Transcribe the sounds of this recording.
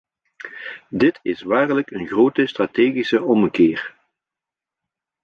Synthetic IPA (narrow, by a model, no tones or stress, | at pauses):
dɪtɪsʋaːrləkənɣroːtəstraːteːɣisəʔɔməkɪːr